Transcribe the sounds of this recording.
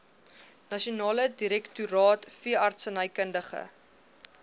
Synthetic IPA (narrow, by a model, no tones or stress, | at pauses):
nɐʃiunɑːlədiɾɛktuɾɑːtfiəʔɐrtsənəjkəndəχə̰